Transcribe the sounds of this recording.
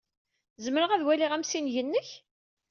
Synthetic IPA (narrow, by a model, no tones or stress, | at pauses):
zəmɾəʁæðwæliʁæmsinʝənːəç